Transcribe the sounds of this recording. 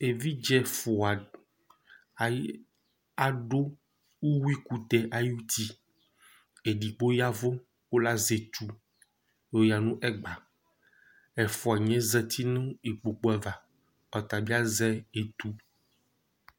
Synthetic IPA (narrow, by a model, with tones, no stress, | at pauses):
e˨vi˦d͡ʒɛ˦fo˨a˨ | a˨ | a˨ɖo˦ | wu˦wu˦i˦ku˦t̪ɛ˦ʔa˨ju˦t̪i˦ | e˨ɖi˨k͡po˦ja˦vo˦ | wo˦la˦ze˨t̪u˦ | o˦ja˨nũ˦ʔɛ˦ɡ͡ba˨ | ɛ˨fɔ˨a˨ɲɛ̃˦zɛ˨t̪ʰi˦nə̃˦i˨k͡po˨k͡po˦ɛ˨va˨ | ɔ˨t̪a˨bi˦a˦zɛ˦e˨t̪u˦